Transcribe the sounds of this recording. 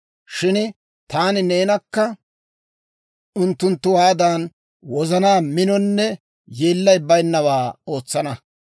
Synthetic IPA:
ʃɪn | t̪aːnɪne̞ːnɐkːɐ | ʊnt̪ːʊnt̪ːʊwaːd̪aːn | wɔzɐnaːmɪnɔnːɛ | jeːlːɐjbɐjnːɐwaːo̞ːt͡sːɐnɐ

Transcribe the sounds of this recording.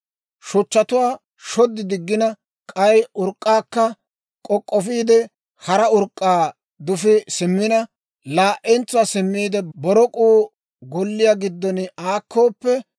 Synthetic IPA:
ʃʊt͡ʃːɐt̪ʊwaː | ʃɔd̪ːɪd̪ɪɡːɪnɐ | kʼɐjʊɾkʼːaːkːɐ | kʼɔkʼːɔfiːd̪ɛ | hɐɾɐʊɾkʼːaː | d̪ʊfɪsɪmːɪnɐ | laːʔɛnt͡sːʊwaːsɪmːiːd̪ɛbɔɾɔkʼuː | ɡɔlːɪjaɡɪd̪ːɔnaːkːoːpːɛ

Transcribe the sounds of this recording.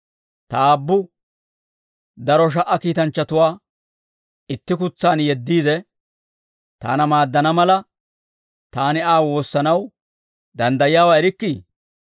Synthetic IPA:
t̪ɐaːbːʊ | d̪ɐɾɔʃ̬ɐʔɐkiːt̪ɐnt͡ʃːɐt̪ʊwaː | ɪt̪ːɪk̬ʊt͡sːaːnjɛd̪ːiːd̪ɛ | t̪a̰ːnɐmaːd̪ːɐnɐmɐlɐ | t̪aːnɪaːwo̞ːsːɐnɐw | d̪ɐnd̪ɐjɪjaːwaːɛɾɪkːi

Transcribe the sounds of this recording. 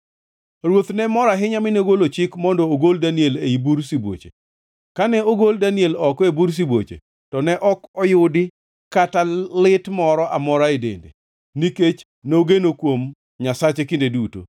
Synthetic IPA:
ɾwot̪nɛmɔɾaɦɪɲamɪneɡolot͡ʃɪkmɔndɔoɡoldanieleibuɾsibwo̰t͡ʃḛ | kanɛoɡoldanielɔkebuɾs̬ibwo̰t͡ʃḛ | tɔnɛʔɔkɔjʊdɪ | katalɪtmɔɾɔʔamɔɾaedḛndḛ | niket͡ʃ | noɡenokwom | ɲasat͡ʃekindeduto̰

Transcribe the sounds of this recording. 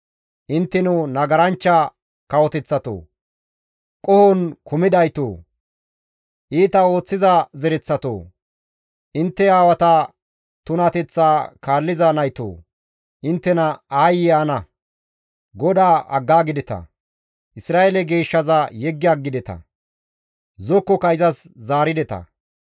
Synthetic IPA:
ʔɪnt̪ːɛnʊnɐɡɐɾɐnt͡ʃːɐ | kɐwɔt̪ɛt͡sːɐt̪o̰ː | kʼɔhɔnkʊmɪd̪ɐjt̪o̰ː | ʔiːt̪ɐo̞ːt͡sːɪzɐzɛɾɛt͡sːɐt̪o̰ː | ʔɪnt̪ːɛaːwɐt̪ɐ | t̪ʊnat̪ɛt͡sːaːkaːlːɪzanɐjt̪o̰ː | ʔɪnt̪ːɛnɐaːjɪaːnɐ | ɡɔd̪aːʔɐ̰ɡːaːɡɪd̪ɛt̪ɐ̰ | ʔɪsɾaːʔelɛɡe̞ːʃːɐzɐjɛɡːɪɐɡːɪd̪ɛt̪ɐ̰ | zɔkːɔkɐɪzɐszaːɾɪd̪ɛt̪ɐ̰

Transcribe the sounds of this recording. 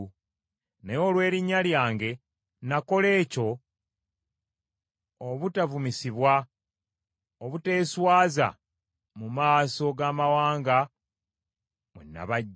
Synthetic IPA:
nejo̞ːlwe̞ːɾiɲːaljaːŋɡe̞ | nako̞le̞ːco̞ | βutavumisiβwa | oβute̞ːswaːza̰ | mumaːso̞ɡaːmawaːŋɡa | mwḛnːa̰βaɟ

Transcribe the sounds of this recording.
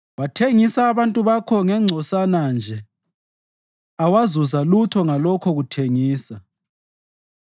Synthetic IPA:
watʰeŋisaːβantʼuβakʰɔŋɛŋ͡ǀʱɔsanand͡ʒʱɛ | awazuzalutʰɔŋalɔkʰɔɣutʰeŋiːsa

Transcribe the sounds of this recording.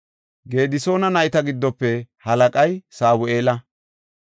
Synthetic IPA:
ɡeːd̪ɪso̞ːnɐnɐjt̪ɐɡɪd̪ːɔpːɛhɐlɐkʼɐjsaːwʊʔe̞ːlɐ

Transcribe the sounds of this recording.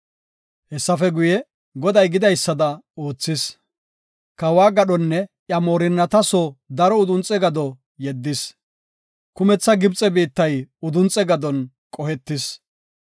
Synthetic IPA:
hɛsːɐfɛɡʊjɛ | ɡɔd̪ɐjɡɪd̪ɐjsːɐd̪ɐo̞ːt͡sːɪs | kɐwaːɡɐɗɔnːɛʔjɐmoːɾɪnːɐt̪ɐsɔd̪ɐɾɔʊd̪ʊnt͡sʼɛɡɐd̪ɔ | jɛd̪ːɪs | kʊmɛt͡sːɐɡɪbt͡sʼɛbiːt̪ːɐjʊd̪ʊnt͡sʼːɛɡɐd̪ɔn | kʼɔhɛt̪ːɪs

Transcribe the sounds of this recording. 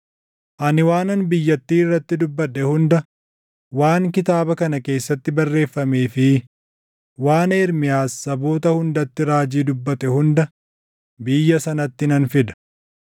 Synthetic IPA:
ʔɐnɪwaːnɐnbɪjːɐt̪ːiːɪrːɐt̪ːɪd̪ʊbːɐᶑːɛhʊnd̪ɐ | waːŋkɪt̪aːbɐkɐnɐke̞ːsːɐt̪ːɪbɐrːe̞ːfːɐmeːfɪ | waːneːɾmɪjaːsːɐbo̞ːt̪ɐhʊnd̪ɐt̪ːɪɾaːd͡ʒiːd̪ʊbːɐt̪ɛhʊnd̪ɐ | bɪjːɐsɐnɐt̪ːɪnɐnfɪd̪ɐ̥

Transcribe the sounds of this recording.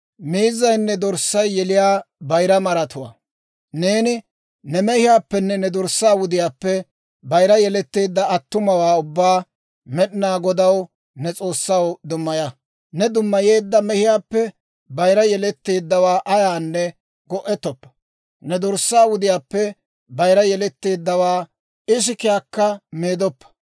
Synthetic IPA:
miːzːɐjnːɛd̪ɔɾsːɐjːɛlɪjaːbɐjɾɐmɐɾɐt̪ʊwa̰ː | ne̞ːnɪ | nɛmɛhɪjaːpːɛnːɛnɛd̪ɔɾsːaːwʊd̪ɪjaːpːɛ | bɐjɾɐjɛlɛt̪ːeːd̪ːɐɐt̪ːʊmɐwaːʊbːaː | mɛɗɪnaːɡɔd̪ɐw | nɛt͡sʼo̞ːsːɐwd̪ʊmːɐjɐ | nɛd̪ʊmːɐje̞ːd̪ːɐmɛhɪjaːpːɛ | bɐjɾɐjɛlɛt̪ːeːd̪ːɐwaːʔɐjaːnːɛ | ɡɔʔɛt̪ːɔpːɐ̥ | nɛd̪ʊɾsːaːwʊd̪ɪjaːpːɛ | bɐjɾɐjɛlɛt̪ːeːd̪ːɐwaː | ɪʃ̬ɪkɪjaːkːɐmeːd̪ɔpːɐ̥

